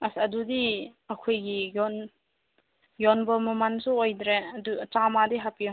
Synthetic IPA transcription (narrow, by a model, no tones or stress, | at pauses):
asadudiɐkʰojɡijɔn | jɔnbɔmɔmansuɔjdɾeɐdutamadiɦapi